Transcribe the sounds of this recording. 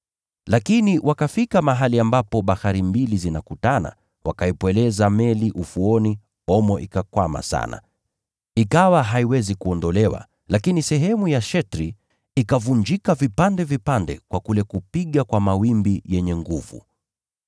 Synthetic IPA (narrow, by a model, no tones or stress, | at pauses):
lakiniwʔakafikamaɦaliambapɔɓaxaɾimbilizinakutana̰ | wakaipwɛlɛzamɛliʔufuɔni | ɔmɔʔikakwama̰sa̰na̰ | ikawaɦaiwɛzikuɔndɔlɛwa̰ | lakinisɛɦɛmujaʃɛtɾi | ikavuɲd͡ʒikavipandɛvipandɛ̰kwakulɛkupiɠakwamawimbijɛɲɛŋɡuvṵ